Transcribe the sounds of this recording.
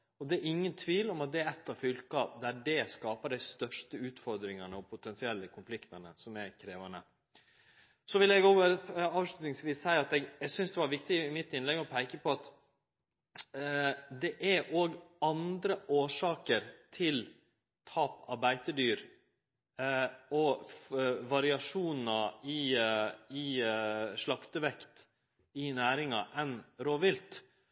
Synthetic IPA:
ɔd̪ɛæɾɪŋːənt̪ʰʋiːlɔmɑt̪̚d̪ɛæɾɛt̪ːɑʋfʏlkɑpd̪æɖɛskɑːpəɖæɪst̪œʂʈəʉːt̪fɔɾd̪ɾɪŋɑnəɔpʰʊt̪ʰɛnsɪɛlːəkʰʊnflɪkt̪ɑnəsɔmækʰɾeːʋɑnə̰ | sɔʋɪlːɛɡoːʋəɑːʋʂlʉt̪nɪŋsʋiːsæɪɑt̪ɛɡɛɡsʏnsd̪ɛʋɑɾʋɪkt̪ɪɪmɪt̪ːɪnlɛɡɔpʰæɪkəpʰɔɑt̪ | d̪ɛʔæɾʔoːɡɑnd̪ɾəʔoːʂɑːkəɾt̪ʰɪl | t̪ʰɑːpɑɾbæɪt̪əɖyːɾ | ɔfʋɑɾɪɑʂuːnn̩ɑɪ | ɪ | ʂɭɑkt̪əʋɛkt̪ | ɪnæːɾɪŋɑ̰ʔɛnɾoːʋɪlt̪

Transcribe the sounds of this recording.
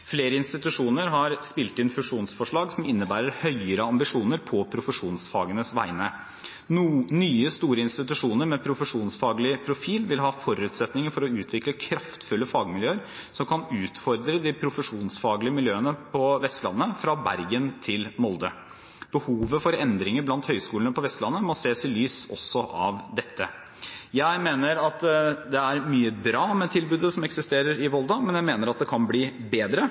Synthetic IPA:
fleːɾəɪnst̪ɪt̪ʉʂuːnəɾɦɑɾspɪːlt̪ɪnfʉʂuːnsfɔʂɭɑːɡsɔmɪnːəbæːɾəɾhœʏəɾəɑmbɪʂuːnəɾpʰɔpʰɾʊfəʂuːnsfɑːɡənəsʋæ̰ɪnə | nyːəst̪uːɾəɪnst̪ɪt̪ʉʂuːnəɾmɛpʰɾʊfəʂuːnsfɑːɡlɪpʰɾʊfiːlʋɪlɦɑːfɔɾʉːt̪sɛt̪nɪŋəɾfɔɾɔʉːt̪ʰʋɪkləkʰɾɑft̪fʉlːəfɑːɡmɪljøːəɾ | sɔmkʰɑnʉːt̪fɔɾd̪ɾəd̪ɪpʰɾʊfəʂuːnsfɑːɡlɪəmɪljøːənəpʰɔʋɛst̪lɑ̰nːəfɾɑbæ̰ɾɡənt̪ʰɪlmɔld̪ə | b̥əhuːʋəfɔɾɛnd̪ɾɪŋəɾblɑnt̪hœʏskuːlənəpʰɔʋɛst̪lɑnːəmɔseːsɪlyːsɔ̰sːɔʔɑ̰ʋd̪ɛt̪ʰːə | jæɪmeːnəɾɑt̪d̪ɛæɾmyːəbɾɑːmɛt̪ʰɪlbʉːd̪əsɔmɛksɪst̪eːɾəɾɪʋɔlˠd̪ɑmɛnjæɪmeːnəɾɑt̪̚d̪ɛkʰɑnbliːbeːd̪ɾə

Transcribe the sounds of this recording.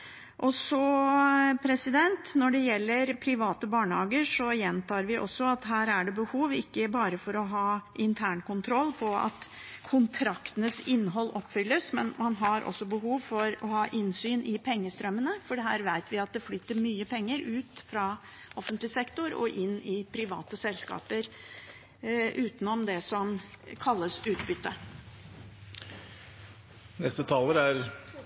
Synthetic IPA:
ʔɔsɔ | pʰɾɛsɪd̪ɛnt̪nɔɖɛjɛlːəɾpʰɾɪʋɑːt̪əbɑːɳəhɑːɡəʂɔjɛnt̪ʰɑːɾʋɪʔɔ̰sːɔɑt̪ɦæːɾæɖɛbəhuːʋɪkːəbɑːɾəfɔɾɔɦɑːɪnt̪ʰæːɳkʊnt̪ʰɾɔlːpʰɔɑ̰t̪kʰʊnt̪ʰɾɑkt̪ənəsɪnːəɦɔlːʔɔpːfʏlːəsmɛnmɑnɦɑɾʔɔ̰sːɔbəɦuːʋfɔɾɔhɑːʔɪnsyːnʔɪpʰɛŋːəst̪ɾœmːənəfɔɖɛɦæːɾʋæɪt̪ʋɪɑt̪̚d̪ɛflʏt̪ːəɾmyːəpʰɛŋːəɾʔʉːt̪fɾɑ | ɔfənt̪lɪsɛkt̪ʊɾɔ̰ʔɪnːɪpʰɾɪʋɑ̰ːt̪əsɛlskɑ̰ːpəɾ | ʔʉːt̪nɔmd̪ɛsɔmkʰɑlːəsʉːt̪bʏt̪ːə | nɛst̪ət̪ʰɑːləɾæɾ

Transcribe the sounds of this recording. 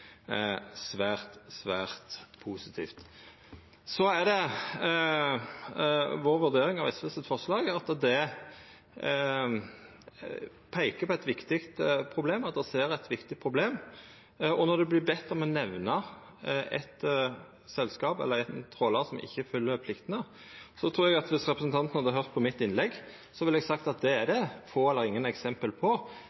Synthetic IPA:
sʋæːʁt̪sʋæːʁt̪pʰuːsɪt̪ʰḭːft̪ | sɔæd̪ɛ | ʋoːɾʋʉɾd̪eːɾɪŋɑʋɛsʋɛsət̪fɔʁʂlɑːɡɑt̪d̪ɛ | pʰæɪkəpʰɔæɪt̪ʋɪkt̪ɪkt̪pʰʁʊbleːmɑt̪̚d̪ɛseːɾɛt̪ʋɪkt̪ɪpʰʁʊbleːm | ɔnɔd̪ɛblɪbɛt̪ːmɛnɛʋnɑ | ɛ̰t̪ | sɛlːskɑːpɛ̰lːəɾɛt̪t̪ʰɾoːlɑsɔmʔɪ̰çːəfʉlːəɾpʰlɪkt̪ənə | sɔt̪ʰɾuːɾɛɡɑt̪ʋɪsɾɛpɾəsən̩t̪ʰɑnt̪nhɑd̪əɦœʁt̪̚pʰɔmɪt̪ːɪnlɛɡː | sɔʋɪlɛɡsɑkt̪ɑt̪̚d̪ɛæɾd̪ɛfoːɛlːəɾɪŋːənɛksɛmpəlpʰɔ

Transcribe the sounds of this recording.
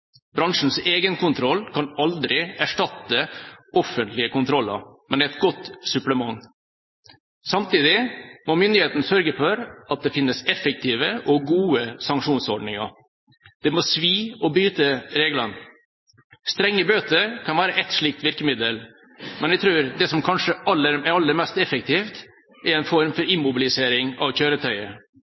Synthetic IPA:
bɾɑŋʂn̩seːɡənkʊnt̪ʰɾɔlkʰɑnɑld̪ɾɪæʂʈɑt̪ːəʔɔfənt̪lɪəkʊnt̪ʰɾɔlːɑ̰ɾmɛnæɛɪt̪̚ɡɔt̪ːsʉpləmɑŋː | sɑmt̪iːd̪ɪmɔmʏnd̪ɪheːt̪n̩sœɾɡəfɔɾɑt̪̚d̪ɛfɪnːəsɛfək̚t̪ʰiːʋəʔɔɡuːəsɑŋkʂuːnsɔɖɳɪŋɑ̰ɾ | d̪̥ɛmɔsʋiːɔbɾyːt̪əɾeːɡlɑn | st̪ɾɛŋːəbøːt̪əɾkʰɑnʋæːɾəʔɛt̪ʂɭiːk̚t̪ʋɪɾkəmɪd̪əl | mɛnæɪt̪ʰɾʉːɾd̪ɛsɔmkʰɑnʂəʔɑlːəɾɛɾɑlːəɾmɛst̪ɛfəkt̪ʰiːft̪ | ɛɾɛɪnfɔɾmfɔɾɪmʊbɪlɪseːɾɪŋɑ̰ʋçøːɾət̪ʰœʏə

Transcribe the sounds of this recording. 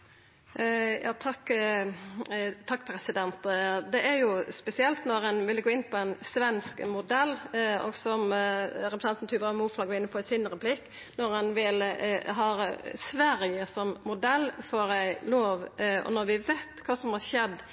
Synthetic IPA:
jɑ̰ːt̪ʰɑkː | t̪ʰɑkːpʰɾɛsɪd̪ɛnt̪d̪ɛʔæɾjʊspɛsɪɛlt̪nɔɾɛnʋɪlɡoːɪnːpʰɔænsʋɛnskmʊd̪ɛlːɔ̰ɡsɔmɾɛpɾəsɛnt̪n̩t̪ʰʉːʋəɾɑmuːflɑːɡəɪnːəpʰɔɪsɪnɾɛpʰlɪkː | nɔɾɛnʋɪlɦɑːsʋæɾɪjəsɔmmʊd̪ɛlːfoɾæɪloːʋɔ̰nɔɾʋɪʋɛt̪kʰɑːsɔmhɑʃɛd̪

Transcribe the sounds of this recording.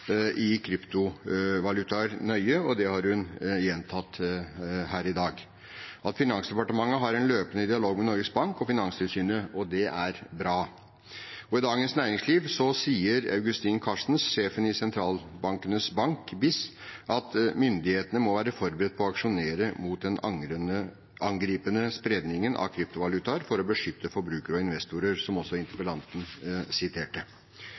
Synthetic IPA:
ʔɪkʰɾʏpt̪ʊʋɑlʉt̪ɑɾnœʏəɔd̪ɛhɑɾhʉnjɛnt̪ʰɑt̪ː | hæːɾɪd̪ɑːɡ | ʔɑt̪fɪnɑnsd̪ɛpɑʈəmɑŋːəɦɑɾɛnløːpənəd̪ɪɑloːɡmɛnɔɾɡəsbɑŋkɔfɪnɑnst̪ʰɪlsyːnəɔd̪ɛʔæɾbɾɑː | ɔɪd̪ɑːɡənsnæːɾɪŋsliːʋsɔsiːəɾɑ̰ʉɡʉst̪inkʰɑʂn̩sʂeːfənɪsɛnt̪ʰɾɑːlbɑŋkənəsbɑŋkbɪs | ʔɑt̪mʏnd̪ɪheːt̪ənəmɔʋæːɾəfɔɾbɾɛd̪̚pʰɔɔɑkʂʊneːɾəmuːt̪̚d̪ɛn | ʔɑŋɡɾiːpənəspɾeːd̪nɪŋənʔɑ̰kʰɾɪp̚t̪ʊʋɑlʉt̪ɑɾfɔɾɔbəʂʏt̪ːəfɔɾbɾʉːkəɾɔɪnʋɛst̪uɾəɾsɔmɔsːɔɪnt̪əɾpəlɑnt̪n̩sɪt̪ʰeːʈə

